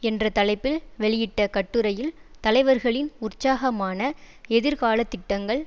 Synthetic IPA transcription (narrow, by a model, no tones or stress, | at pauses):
ɛndrɐt̪ɐlɐɪpːɪlʋɛɭɪjɪʈːɐkɐʈːɯɾɐjɪlt̪ɐlɐɪʋɐɾɣɐɭɪnʊrt͡ʃaːɣɐmaːnɐ | ɛðɪɾkaːlɐt̪ːɪʈːɐŋɡɐɭ